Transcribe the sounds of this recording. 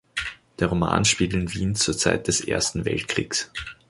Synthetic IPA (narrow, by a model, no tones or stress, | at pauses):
d̥eːɐʁoma̰ːnʃpiːɡl̩ɪnviːnt͡suːɐt͡saɪt̚d̥ɛsʔḛːɐstn̩vɛ̰lt̚kʁ̥iːks